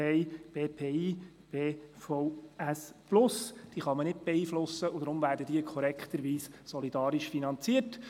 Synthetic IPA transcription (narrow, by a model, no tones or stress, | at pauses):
ɛɪb̥eːpʰeːiː | b̥eːfɔʊæsplʊsd̪̥iːχɑmənɪd̚b̥ɛiːflʊsːəʊd̥̪ɾʊmvæːɾdəd̥̪iəkʰɔɾɛkχt̪əɾʋiːssɔlid̥̪ɑːɾɪʃfinɑnt͡siət